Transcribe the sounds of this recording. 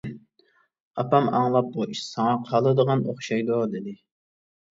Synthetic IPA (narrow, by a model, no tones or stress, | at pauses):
ɑpɑmɑŋlˠɑp̚buʔiʃsɑŋɑqʰɑlˠɨd̪əʁɑnoχʃɑjd̪ʊd̪ɪd̪ɪ